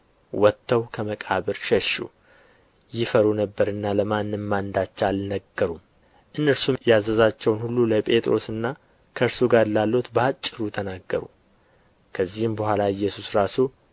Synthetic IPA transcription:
wɔt̪ʰːəwkʰəməkʼaβɨɾʃɛʃṵ | jɪfəɾunəbːəɾɨnːaləmanːɨmmand̪at͡ʃːalnəɡːəɾum | ʔɨnːəɾsumjazəzat͡ʃːɛwnhulːuləpʼe̞t̪ʼɾo̞sɨnːa | kʰəɨɾsuɡaɾlalːo̞t̪bəat͡ʃʼːɨɾut̪ʰənaɡːəɾṵ | kʰəzːihɨmbəhʷalaɨjːɛsusɾasu

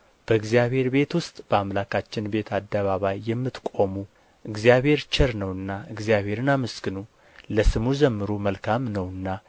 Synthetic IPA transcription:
b̥əɨɡzijaβhe̞ɾbe̞t̪wʊst̪ʼb̥əamlakʰat͡ʃːɪnbe̞t̪ʰad̪ːəβaβajːɛmːɨt̪kʼo̞mu | ʔɨɡzijaβhe̞ɾt͡ʃɛɾnəwɨnːaɨɡzjaβhe̞ɾɨnaməskɨnu | ləsɨmud͡ʒɛmːɨɾuməlkʰamnəwɨnːa

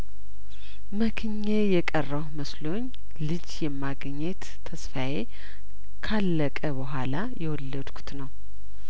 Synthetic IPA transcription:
məkʰɨɲːejɛkʼərːəwməslo̞ɲː | lɨd͡ʒjɛmːaɡɲːɛt̪ʰːəsfaje | kʰalːəkʼəβəɦʷalajɛwɔlːəd̪kʰu̥t̪nəw

